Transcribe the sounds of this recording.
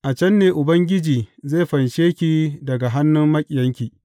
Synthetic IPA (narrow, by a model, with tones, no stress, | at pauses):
ʔa˨t͡ʃɐ˦nːeː˨ʔʊ˨bɐ˦ŋɡʲɪ˦d͡ʒiː˨zeː˦˨ɸɐ˨nʃeː˦kʲiː˦dɐ˨ɡa˨ɦa˦nːʊ˦mːɐ˦kʲʼɪ˨jɐ˦ŋkʲiː˨